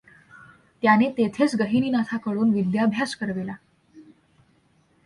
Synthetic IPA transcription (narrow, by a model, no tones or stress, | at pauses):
t̪janet̪et̪ʰet͡sɡəɦiniːnat̪ʰakəɽuːnʋid̪jabʱjaskəɾʋela